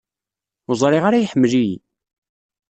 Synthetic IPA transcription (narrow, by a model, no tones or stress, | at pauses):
ʊzˤɾˤiʁaɾajiħəmːlij